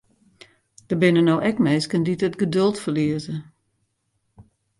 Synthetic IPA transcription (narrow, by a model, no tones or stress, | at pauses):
d̥əbɪnənowʔɛkmɛjskənditətɡədølˠtfərliəzə